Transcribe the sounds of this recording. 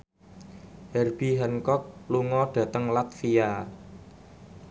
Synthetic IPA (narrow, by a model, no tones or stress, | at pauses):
hɛrb̥iɦɛnkɔk̚luŋɔɖ̥ä̤t̪əŋlat̪fia